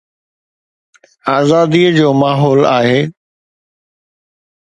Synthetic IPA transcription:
aːzaːd̪iːəd͡ʑoːmaːɦɔːlaːɦeː

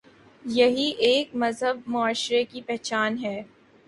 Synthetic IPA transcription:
jɐɦiʔeːkmɐzɦəbmʊaːʃɾekipɛɦt͡ʃaːnɦɛː

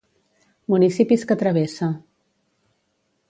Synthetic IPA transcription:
munisipiskət̪ɾəβesa

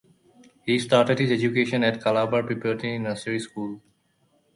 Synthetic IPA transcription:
hiːsʈaːɾʈeɖhɪzed͡ʒukeːʃə̃nɛʈkalaːbəɾpɾipɛɾʈĩɪ̃nəsəɾiskuːl

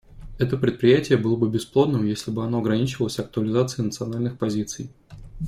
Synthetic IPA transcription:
ɛt̪əpɾʲɪt̪̚pɾʲɪjætʲɪjəbɨlˠəbɨbʲɪsplˠod̪nɨmjesʲlʲɪbɨɐno̞ɐɡɾɐnʲit͡ɕɪvəlˠəsʲɐk̚t̪ʊəlʲɪzat̪sɨɪnət̪sɨɐnalʲnɨxpɐzʲit̪sɨj

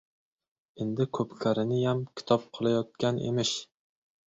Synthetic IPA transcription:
end̪ɪkʲʰɵpkʲʰaɾɪnɪjamkʲʰɪ̥t̪ʰɒp̚qʰɨlˠajɒt̪̚kʲanḛmɪʃ

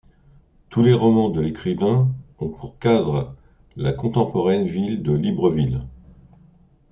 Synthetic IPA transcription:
t̪ʰuleʁɔmɑ̃d̪əlekχivɛ̃ɔ̃pʰuʁkad̪ʁə | lakɔ̃t̪ɑ̃pɔʁɛnvild̪əlibʁəvil

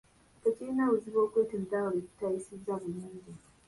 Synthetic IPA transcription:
teciɾinauziβo̞ːkweːtend̪awoleku̥taisizːaβuluːɲɟi

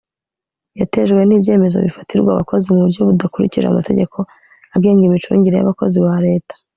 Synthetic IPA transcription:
jate̞ʒɡwe̞niːbje̞ːme̞zo̞̰βifḁtiɾɡwa̰βako̞zimuβuɾjo̞βudakuɾḭciʒaa̰mate̞ɟe̞kʰo̞ | aɡe̞ːɲɡimit͡ʃṵːɲɟiɾe̞ja̰βako̞ziβaɾe̞ːtḁ

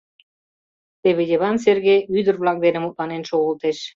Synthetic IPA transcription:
t̪eβĕd̪ʲeβɑns̬erɡʲeyd̪ɘɾβlˠɑk̚d̪enɘmut̪̚lˠɑnenʃoʁə̆lˠt̪eʃ

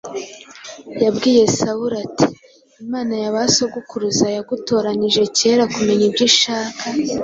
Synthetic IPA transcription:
jabɡiːje̞sauɾatʰi̥ | imaːnajaβaso̞ɡukuɾuzajaɡuto̞ːɾaniʒe̞ce̞ɾakume̞ɲibɟiʃaːkʰa

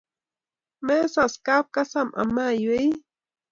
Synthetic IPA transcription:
mesaskap̚kasamʔa̰majʊej

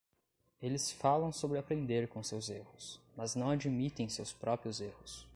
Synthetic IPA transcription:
elɪsfalɐ̃w̃sobɾɪapɾẽnd̪eɾkõsewzehʊsmɐznɐ̃w̃ad͡ʒimit̪ẽj̃sewspɾɔpɾiʊzehʊs

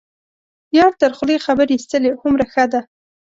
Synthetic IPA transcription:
jɑɾt̪əɾxlexabəɾist̪əlehʊmɾaxəd̪a

